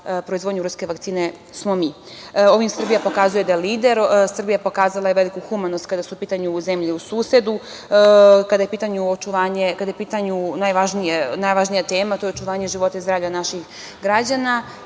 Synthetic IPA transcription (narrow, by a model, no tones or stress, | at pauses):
pɾoizo̞d̪ɲuɾuske̞ʋakt̪iːne̞ | smo̞mi | o̞ʋimsr̩bijapo̞kazuje̞d̪ajeliːd̪e̞ɾsr̩bijapo̞kaːzalˠajeʋe̞likuxumanost̪̚kad̪asupiːt̪aɲuze̞mʎiusuːse̞d̪u | kad̪ajepiːt̪aɲuot͡ʃuʋaːɲe̞kad̪ajepiːt̪aɲunajʋaʒnijenajʋaʒnijat̪e̞ːmat̪ojeot͡ʃuʋaːɲe̞ʒiʋo̞t̪aizd̪ɾaːvʎʲanaʃix | ɡɾad͡ʑana